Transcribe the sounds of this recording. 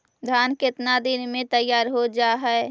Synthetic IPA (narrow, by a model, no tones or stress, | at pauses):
d̪ʱaːnkɪt̪nad̪ɪnmẽt̪əjːaːɾɦod͡ʒaːɦɛe